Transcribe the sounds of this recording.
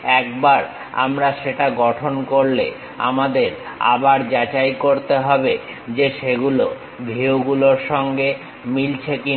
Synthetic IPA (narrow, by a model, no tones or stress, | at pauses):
ɛkbaɾ | a̰mɾaʃeʈaɡɔʈʰonkoɾlḛ | a̰mad̪eɾ | a̰baɾd͡ʑat͡ɕajkoɾt̪eɦɔbe | d͡ʑeʃeɡulo | bʱɾewɡuloɾʃɔŋɡe | milt͡ɕʰeki